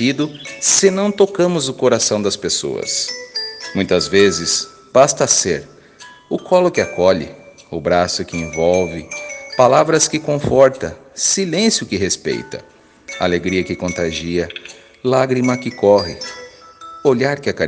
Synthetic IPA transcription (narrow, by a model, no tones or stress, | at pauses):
id̪ʊsɪnɐ̃w̃t̪okɐ̃mʊzʊkoɾasɐ̃w̃d̪ɐspeso̰ɐ̰s | mũj̃t̪ɐzvezɪs | b̥ast̪ɐseɾ | ʊkʰɔlʊkɪakɔʎɪ̰ʊbɾasʊkɪẽvɔwvɪpalavɾɐskɪkõfɔɾt̪ɐsilẽsjʊkɪɦespḛjt̪ɐ̰ | aleɡɾiɐkɪkõnt̪ɾaʒiɐ | laɡɾimɐkɪkɔɦɪ | oʎaɾkɪaka